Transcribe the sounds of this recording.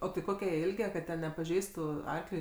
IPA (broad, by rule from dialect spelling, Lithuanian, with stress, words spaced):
oː tɐɪ ˈkoːkʲɛ jiɛ ˈɪlʲɡʲɛ kɐt ˈtʲɛn nʲɛpɐˈʒʲɛɪstʊ ˈɐrklʲʊɪ